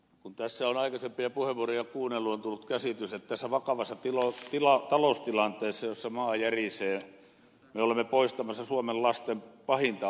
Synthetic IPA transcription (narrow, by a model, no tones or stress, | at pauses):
kunt̪æsːæonɑikɑsempiɑpuheʋʋuorijɑkuːnːelːuont̪ulːut̪kæsit̪yset̪t̪æsːæʋɑkɑʋɑsːɑt̪ilot̪ilɑt̪ɑlost̪ilɑnt̪ˑeːsːɑjosːɑmɑːjæriseː | meolemːepoist̪ɑmɑsːɑsuomellɑst̪empɑhint̪ɑ